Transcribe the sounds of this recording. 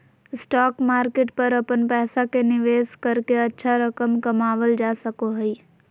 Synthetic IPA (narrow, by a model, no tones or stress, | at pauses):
sʈɔːkmaːɾkeːʈpɐɾɐpənpɛːsakenɪʋeːskɐɾkeɐtːʃʰaɾɐkəmkɐmaːʋəld͡ʒaːsɐkoɦɛi